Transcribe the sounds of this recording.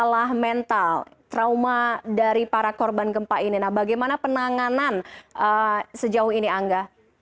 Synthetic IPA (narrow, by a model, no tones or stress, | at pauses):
əlahmɛnt̪alt̪ɾaumadaɾipaɾakɔrbanɡəmpaʔininahbaɡajmanapənaŋananʔəsəd͡ʒaʊhiniaŋɡa